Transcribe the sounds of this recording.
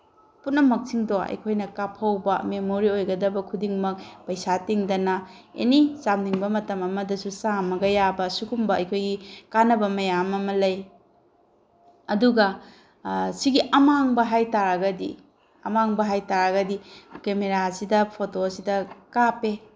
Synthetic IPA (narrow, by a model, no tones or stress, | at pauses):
putnɐmɐk̚siŋdoɐ̰jkʰojnɐkapʰɐwbɐmemoɾiojɡɐdɐbɐkʰudiŋmɐk̚pɐjsatiŋdɐnɐḛnisamdiŋbɐmɐtɐmɐmɐdɐsusamɐɡɐjabɐsukʰumbɐɐ̰jkʰojɡikanɐbɐmɐjamɐmɐlɐj | ɐduɡɐ | siɡiʔɐmaŋbɐɦajtaɾɐɡɐdḭ | ɐ̰maŋbɐɦajtaɾɐɡɐdikemeɾasidɐpʰotosidɐkape